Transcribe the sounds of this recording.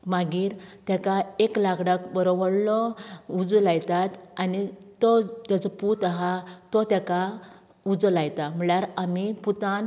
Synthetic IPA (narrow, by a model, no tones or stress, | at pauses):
maɡiːɾt̪jakaeklaɡɽakbəɾɔʋəɽlɔud͡zlajt̪at̪anit̪ɔt̪jat͡sɔput̪aɦat̪ɔt̪jaka | ud͡zlajt̪am̤ɭjaɾamiput̪an